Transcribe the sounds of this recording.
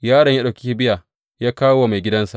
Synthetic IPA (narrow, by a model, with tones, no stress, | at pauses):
jaː˦ɽɐ˨ɲjaː˦ɗa˨kʲi˦ji˦bɪ˦ja˨ | jaː˦kaː˦wwa˨ma˨jɡʲɪ˦dɐ˦nsa˨ʔ